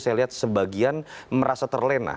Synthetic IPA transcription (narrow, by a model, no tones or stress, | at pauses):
sajaliɦat̪̚səbaɡianməɾʔasat̪ərlɛna̰